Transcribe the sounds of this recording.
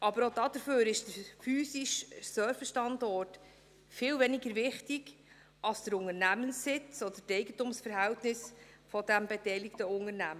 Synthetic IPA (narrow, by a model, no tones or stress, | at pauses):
ʔɑbəɾodɑd̥̪əɾføːɾɪʃd̥əfyːsɪʃsœɾfəʃtɑndɔrt | fɪːlvɛnɪɡəɾvɪχtɪɡ | ɑlsd̥əɾʊŋəɾnæmənsːɪt͡sɔd̥̪ətɛɪɡən̩tʊmsfəɾɦæltnɪs | fɔdæmbetɛɪlɪktəʊŋəɾnæmə